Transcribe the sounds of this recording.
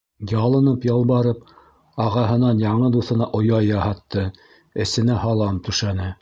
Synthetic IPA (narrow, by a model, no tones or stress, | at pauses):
jɑlˠɤ̆nɤpjɑlˠbɑɾɤp̚ | ɑʁɑɦɤ̆nɑnjɑɴɤd̪uθɤ̆nɑʔŏjɑjɑhɑt̪ːɤ | ɘ̆sɘ̆næhɑlˠɑmt̪ɵ̆ʃænɘ